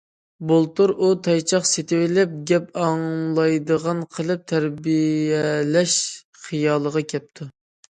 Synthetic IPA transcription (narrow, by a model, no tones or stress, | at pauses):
bolˠt̪uɾʔut̪ʰɑjt͡ʃʰɑqset̪ʰɪwɪlɛp̚ɡʲɛpɑŋlˠɑjd̪əʁɑnqʰəlˠɨp̚t̪ʰæɾbiɛlɛʃ | χijɑːlˠəʁɑkʲʰɛp̚t̪ʰu